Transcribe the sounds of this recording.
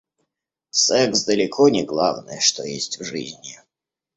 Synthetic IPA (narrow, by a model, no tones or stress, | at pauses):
sɛksd̪əlʲɪkʰonʲɪɡlˠavnə̰jəʂt̪ojesʲtʲvʐɨ̰zʲnʲɪ